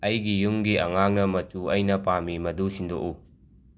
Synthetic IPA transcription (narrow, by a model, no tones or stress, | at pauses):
ɐjɡijuŋɡiɐŋaŋnɐmɐt͡ʃuɐjnɐpamimɐdusindo̰ʔu